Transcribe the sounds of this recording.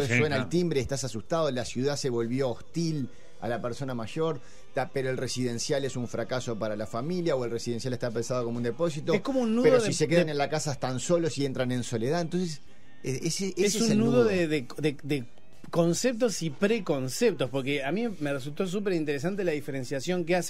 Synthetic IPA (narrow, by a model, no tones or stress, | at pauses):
eswenaelt̪imbɾeeht̪asasust̪aðolasjuð̞ase̞βo̞lβjo̞ːht̪il | a̰lapeɾso̞namaʒo̞ɾ | t̪apeɾo̞elresiðe̞nsjalesuɱfɾakaso̞paɾalafamiljaoelresiðensjaleht̪ape̞nsað̞o̞komound̪e̞po̞s̬it̪oesko̞mounːuðpeosise̞k̬eðanenlakasaeht̪anso̞losient̪ɾanẽ̞nso̞le̞ðaent̪o̞ns̬es | eeseeeseusenːuðoðeðed̪ed̪e | ko̞nsep̚t̪o̞sipɾeko̞nsep̚t̪o̞spo̞ɾkeamimeres̬ult̪o̞s̬up̬eɾint̪eɾes̬ant̪elaðifeɾẽ̞nsjasjo̞ŋkeas